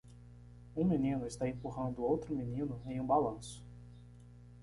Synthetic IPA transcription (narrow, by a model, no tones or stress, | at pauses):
ũminĩnʊɪst̪aẽpuɦɐ̃nd̪ʊowt̪ɾʊminĩnʊẽj̃ũbalɐ̃sʊ̥